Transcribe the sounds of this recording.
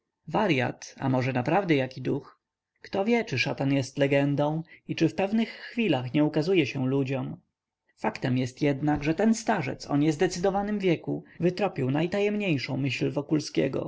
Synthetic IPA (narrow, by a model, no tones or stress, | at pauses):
vaɾja̰t̪a̰mɔʐɛnapɾavd̪ɛjakid̪ux | kt̪ɔvʲjɛt͡ʂɘʂat̪anjɛst̪lɛɡɛnd̪ɔ̃w̃it͡ʂɘfpɛvnɘxːfʲilaxɲɛukazujɛɕɛw̃lud͡ʑɔm | fakt̪ɛmjɛst̪jɛd̪naɡʐɛt̪ɛnst̪aʐɛ̰t̪sɔ̰ɲɛzd̪ɛt̪sɘd̪ɔvanɘmvʲjɛkuvɘt̪ɾɔpʲiwnajt̪ajɛmɲejʂɔ̃w̃mɘɕlvɔkulskʲɛ̰ɡɔ̰